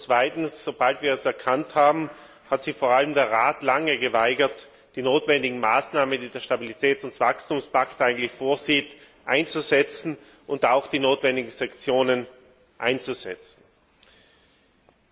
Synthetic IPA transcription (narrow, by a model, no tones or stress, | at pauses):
t͡sv̥aɪtn̩sz̥ob̥altv̥iːɐɛsɛɐkʰanthaːbm̩ | hatz̥ɪçfoːɐaləmdeːɐʁaːtlaŋəɡəvaɪɡɐt | d̥iːnoːtv̥ɛndɪɡŋ̩maːsnaːməndiːdeːɐʃtabilitʰɛːtʊntv̥akstuːmspaktʔaɪɡŋ̩tlɪçfoːɐziːt | ʔaɪnt͡suzɛt͡sn̩ | ʔʊntaʊxd̥iːnoːtv̥ɛndɪɡŋ̩z̥aŋkt͡sjoːnən | ʔa̰ɪnt͡suzɛ̰t͡sn̩